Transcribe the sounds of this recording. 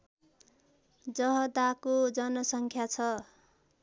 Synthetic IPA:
d͡zʌɦʌd̪akod͡zʌnʌsʌŋkʰjat͡sʰʌ

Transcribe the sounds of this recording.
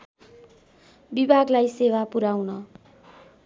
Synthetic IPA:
bibʱaɡlajsewapuɾawnʌ

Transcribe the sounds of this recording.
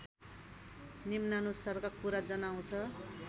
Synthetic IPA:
nimnanusʌrkakuɾad͡zʌnaw̃t͡sʰʌ

